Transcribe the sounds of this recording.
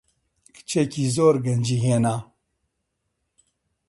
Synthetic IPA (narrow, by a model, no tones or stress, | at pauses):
kɨ̥t͡ʃʰecizoːɾɡɐnd͡ʒiɦeːnaː